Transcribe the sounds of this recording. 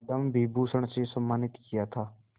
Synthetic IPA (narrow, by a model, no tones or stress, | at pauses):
d̪əmbʱiːbusəɽ̃sesɐmːaːnɪt̪kijat̪ʰaː